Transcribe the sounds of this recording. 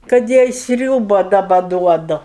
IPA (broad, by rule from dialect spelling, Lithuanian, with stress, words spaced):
kɐt ˈjɛɪ ˈsʲrʲuːbɐ dɐˈbɐ ˈduɔdʊ